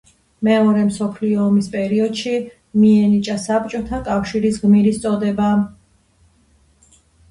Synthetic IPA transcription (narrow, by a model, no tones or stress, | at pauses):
mɛɔɾɛmsɔpʰliɔːmispʼɛɾiɔd̪̥ʃi | miɛnit͡ʃʼasapt͡ʃʼɔt̪ʰakʼafʃiɾisɡmiɾist̪sʼɔd̪ɛba